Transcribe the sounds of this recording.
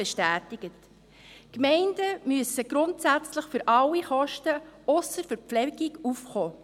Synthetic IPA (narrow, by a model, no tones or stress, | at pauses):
ɛʃtæːtɪɡ̥ət | kmɛɪnd̥əmyəsəɡ̥ɾʊntsæt͡sləχfʏɾʔɑlːiχɔʃtəʊsəɾfəɾpflɛɡ̥iɡufχɔː